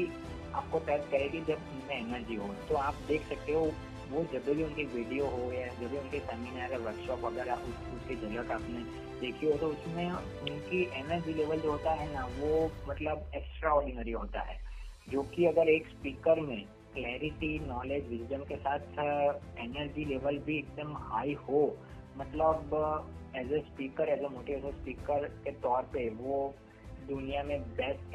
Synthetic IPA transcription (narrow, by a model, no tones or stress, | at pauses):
i | aːp̚kot̪ɛt̪kɐɾẽɡid͡ʒɐbʊnmẽɛnəɾd͡ʒiɦot̪oaːp̚d̪eːkʰsɐk̚t̪eɦo | ʋod͡ʒɐb̪ʱibʱiʊnkiʋiːɖioɦoɡjad͡ʒɐbʱiʊnkesɛːminaɐɡəɾʋɐɾkʃɔːpʋɐɡɛːɾaʔʊskulked͡ʒɐləkaːpne | d̪eːkʰiɦot̪oʊsmẽ | ʊnkiʔeːnəɾd͡ʒileːʋəld͡ʒoɦoːt̪aɦɛnaʋomɐt̪ləbɛksʈɾaɔːɾɖɪnəɾiɦo̰ːt̪a̰ɦɛ̰ː | d͡ʒoːkiɐɡəɾeːkspiːkəɾmẽ | klɛːɾɪʈinɔːleːd͡ʒʋɪd͡ʒɖəmkesaːt̪ʰ | eːnəɾd͡ʒileːʋəlbʱiek̚d̪əmhaːiho | mɐt̪ləbɛːzespiːkəɾɛːzemoːʈiɛːsespiːkəɾket̪ɔːɾpeʋo | d̪ʊnijamẽbɛsʈ